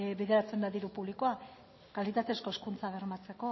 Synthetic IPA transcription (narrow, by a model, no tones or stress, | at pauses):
βeðe̞ɾat͡se̞nd̪aðiɾupuβlikoa | kalit̪at̪e̞sko̞eskunt͡saβ̞e̞ɾmat͡se̞ko̞